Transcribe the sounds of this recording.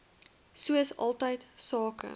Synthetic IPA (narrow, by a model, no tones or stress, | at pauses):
suəsɐ̰lˠtəjtsɑːkə̰